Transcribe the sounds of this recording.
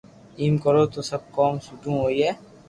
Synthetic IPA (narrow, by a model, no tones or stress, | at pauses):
iːmkɔɾot̪osɐb̚kɔːmsuʈũɦoːiɦɛː